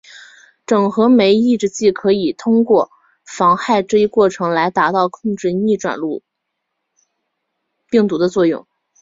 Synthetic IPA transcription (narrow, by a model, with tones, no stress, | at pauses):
ʈ͡ʂɤ˨˩ŋxɤ˧˥me˧˥ɪi˥˩˧ʈ͡ʂɻ̩˥t͡ɕi˥˩kʰɤ˧˥i˨˩t̪ʰʊ˥ŋkwɔ˥˩ | fɑ˧˥ŋxa˥˧ɪʈ͡ʂɤ˥˧i˥kwɔ˥˩ʈ͡ʂʰɤ˧˥ŋla˧˥ɪt̪a˧˥t̪ɑ˥˧ʊkʰʊ˥˧ŋʈ͡ʂɻ̩˥˧i˥˩ʈ͡ʂwa̰˨˩nlu˥˧ | pi˥˩ŋt̪u˧˥d̪ə˧t͡swɔ˥˧jʊ̰˥˩ŋ